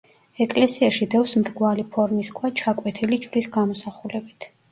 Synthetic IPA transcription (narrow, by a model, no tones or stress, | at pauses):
ɛkʼlɛsiaʃid̪ɛfsmɾɡwalipʰɔɾmiskʰwat͡ʃʰakʼwɛt̪ʰilit͡ʃʼvɾisɡamɔsaχulɛbit̪ʰ